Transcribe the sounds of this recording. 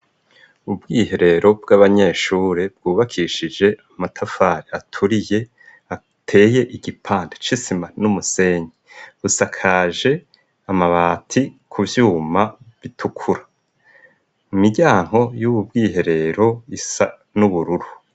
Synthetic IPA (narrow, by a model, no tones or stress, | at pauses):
ubɡiːhe̞ɾe̞ɾʔo̞bɡaβaɲe̞ːʃuːɾebɡ̥uːβakʰiːʃid͡ʒe̞amatʰafaːɾeatʰuɾije̞ | a | tʰe̞ːje̞ʔiɡipʰaːndet͡ʃisimanumuse̞ɲiβusakʰaːʒe̞ | amaβaːtʰikʰuvjuːmaβitʰukʰuɾḁ | mumiɟaːŋ̥ho̞juβub̚ɡiːɦe̞ɾe̞ɾo̞isa | nuβuɾuɾu